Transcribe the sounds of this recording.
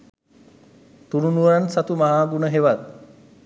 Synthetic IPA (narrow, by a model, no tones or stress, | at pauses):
t̪uɾunuʋəɾansat̪umaɦaːɡunəɦeʋat̪̚